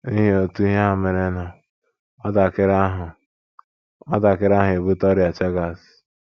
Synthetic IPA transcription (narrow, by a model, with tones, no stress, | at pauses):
i˦ɦi˦o˨tu˦i˦ɦe˦a˦˨me˨ɾe˦nɔ˨ | a˦da˨kɪ˦ɾa˦ɦʊ˨ | ma˦da˨kɪ˦ɾa˦ɦe˨bu˦tɔ˦ɾja˨t͡ʃe˦ɡa˨s